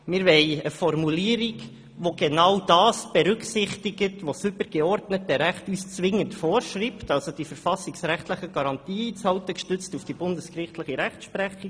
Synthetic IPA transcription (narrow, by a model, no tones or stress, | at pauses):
mɪɾʋɛɪəfɔrmuliːəɾiɡ | ʋoɡenɑwd̥ɑːsb̥eɾʏksɪχtiɡətʋosʏbəɾɡeɔɾdnət̚dɛɾæχtuːst͡sʋɪŋːəntfoːɾʃriːptɑlsod̥ifəɾfɑsiksɾæχtləχəɡ̥ɑɾɑntiːit͡shɑltəkʃtʏt͡stufd̥ibʊndəskrɪχtləχiɾæχtʃpɾɛχi